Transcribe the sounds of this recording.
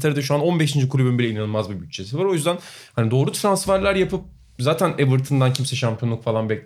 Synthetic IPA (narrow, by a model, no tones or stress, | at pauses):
t̪ʰaɾɯd̪aʃ̬uanonbeʃind͡ʒikulʲybinbilʲɛinanɯlˠmazbubycʲt͡ʃʰesivaɾo̞jyzd̪ænhanid̪o̞ːɾut̪ʰɾansfæɾlʲæɾjapʰɯp̚ | zaːt̪ʰænebɯɾt̪ʰɯnd̪ancʰimsɛʃampʰijo̞nˠukfalˠanbɛcʲ